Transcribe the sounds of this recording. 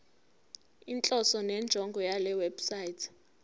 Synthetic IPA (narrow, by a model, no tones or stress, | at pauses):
int͡ɬʼɔsɔnɛnd͡ʒʱɔŋɡʱɔjalɛwɛb̥sajitʰ